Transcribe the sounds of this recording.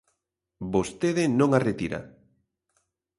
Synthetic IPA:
bost̪eðɪnõŋaret̪iɾa̰

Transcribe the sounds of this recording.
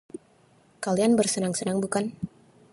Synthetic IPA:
kalianbərsənaŋsənaŋbukan

